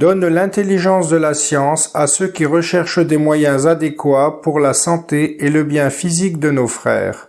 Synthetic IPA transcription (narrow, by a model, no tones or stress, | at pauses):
d̪ɔnlɛ̃t̪eliʒɑ̃sd̪əlasjɑ̃sasøkʲiʁəʃɛʁʃd̪emwajɛ̃zad̪ekwapuʁlasɑ̃t̪eeləbjɛ̃fizikd̪ənofχɛ̰ːʁ